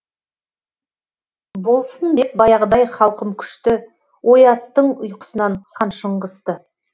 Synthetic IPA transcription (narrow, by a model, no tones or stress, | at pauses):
bo̞lˠsənd̪e̞p̚bɑjɑʁəd̪ɑjχɑlˠqəmkʲʰʏ̥ʃt̪ɪ | wʔo̞jɑt̪ːəɴʊjqə̥sənɑnχɑnʃəɴʁəst̪ə